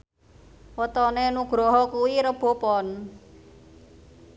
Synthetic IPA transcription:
wət̪ɔnenuɡ̥ɾɔɦɔkuwiɾəb̥o̤pɔn

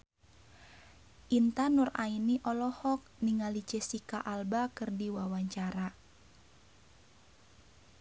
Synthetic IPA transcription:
ʔint̪anura̰iniʔɔlɔhɔk̚niŋalit͡ʃesikaʔalbakɨrdiwawaɲt͡ʃaɾa

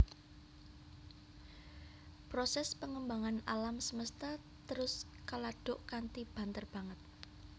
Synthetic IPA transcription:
pɾɔsɛspəŋəmbaŋanalamsəməst̪a | t̪əɾʊs | kalaɖ̥ʊ̤ʔkant̪ib̥ant̪ərb̥ä̤ŋət̪̚

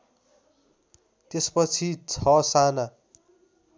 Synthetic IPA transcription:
t̪espʌt͡sʰit͡sʰʌsana

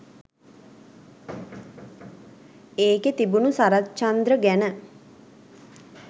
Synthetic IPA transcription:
eːket̪ibunusaɾatt͡ʃand̪ɾəɡænə

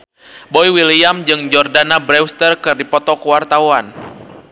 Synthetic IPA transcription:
bɔiwiliamd͡ʒɨŋd͡ʒɔrdanabɾɛwst̪ərkɨrdipɔt̪ɔkəwart̪awan

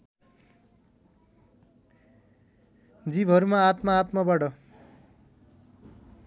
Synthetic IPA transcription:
d͡zibʱɦʌɾumaːt̪mʌːt̪mʌbʌɽʌ

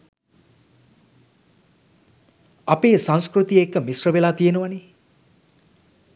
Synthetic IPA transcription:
apeːsãŋskrut̪iekːəmisrəbelat̪ijenuʋani

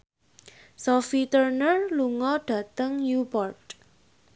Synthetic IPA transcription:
sɔfit̪ərnərluŋɔɖ̥ä̤t̪əŋjubɔrd

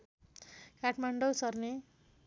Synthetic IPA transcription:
kaʈʰmaɳɖʌwsʌrne

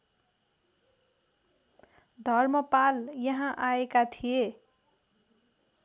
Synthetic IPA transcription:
d̪ʱʌrmʌpaljʌɦãʔaekat̪ʰije

